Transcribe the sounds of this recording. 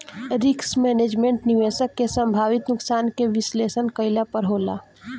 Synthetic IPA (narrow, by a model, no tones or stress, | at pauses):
ɾɪksmɛːneːd͡ʒmẽɳʈniʋeːsəkːesə̃mbʱaːʋɪt̪nʊksaːnkeʋɪsleːsənkəɪlapəɾɦoːla̰ː